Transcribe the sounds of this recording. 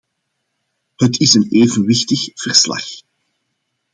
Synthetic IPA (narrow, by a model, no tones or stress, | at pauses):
hətʰɪsəneːvənʋɪxtəxv̥ərslɑ̰x